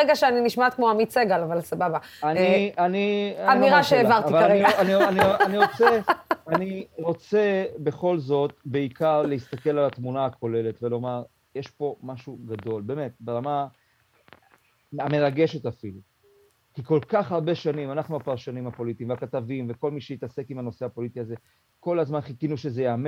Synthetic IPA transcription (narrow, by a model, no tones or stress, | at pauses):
eɡaʃeaniniʃmat̪kmoamit͡seɡalavalsababa | anianiaamiʁaʃeːvaʁivalaʁeniaanianianiʁot͡seaniʁo̞t͡se̞be̞χo̞lzo̞t̪̚beikaʁleist̪ake̞lalat̪munaːkʰo̞le̞le̞t̪velo̞maʁ | jeʃpo̞maʃuɡad̪o̞lbe̞ːme̞t̪̚beʁama | ame̞ʁaɡe̞ʃet̪afilu | kiko̞lkaχhaʁbeʃanimanaχnuapaʁʃanimhapo̞lit̪iːmveakat̪avimve̞ko̞lmiʃejit̪ase̞kimano̞seapo̞lit̪iaze̞ | ko̞lazmanχikinuʃezejaːme